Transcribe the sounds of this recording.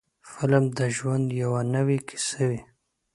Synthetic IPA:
fɪlamd̪əʒwand̪jawanəwikʰi̥səwi

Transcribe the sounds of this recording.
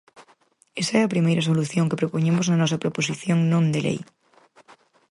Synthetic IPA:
esaeapɾimejɾaso̞luθjoŋkepɾopoɲemoznanɔsapɾoposiθjoŋnõnd̪elʔḛj

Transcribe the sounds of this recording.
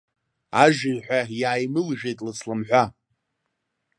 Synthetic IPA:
aʒɪrħʷᶣajaːjmɨlʒᶣejtʼlɨsʰlamħᶣʷa

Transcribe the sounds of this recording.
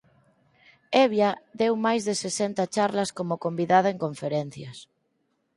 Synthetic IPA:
eβjaðewmajzðesesent̪at͡ʃaɾlɐskomokombiðaðaeŋkõɱfeɾen̟θjɐs

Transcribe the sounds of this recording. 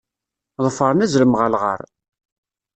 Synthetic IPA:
ʁəfəɾˤnæzɾəmʁəlʁə̰ɾˤ

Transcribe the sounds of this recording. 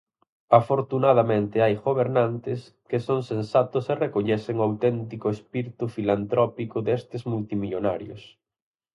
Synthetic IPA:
afoɾt̪unaðamẽnt̪ɪajɣoβeɾnant̪ɪs | kɪsoŋsensat̪ʊserekoʎɛθeŋoawt̪ɛnt̪ikʊespiɾit̪ufilant̪ɾɔpikʊðest̪ɪzmult̪imiʎonaɾjʊ̰s

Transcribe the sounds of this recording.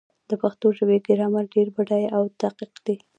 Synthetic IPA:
d̪̥əpaxt̪oʒəbeɡɪɾɑmaɾɖeɾbaɖajawt̪aqiqd̪̥i

